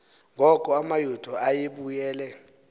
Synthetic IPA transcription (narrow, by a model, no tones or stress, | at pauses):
ŋɡʱɔkʼɔamajod̥ʱʼɔajeɓujɛːlɛ